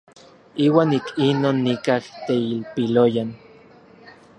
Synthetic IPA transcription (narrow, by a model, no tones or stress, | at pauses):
iːwaːnikinoːnːikaht̪eilpilojan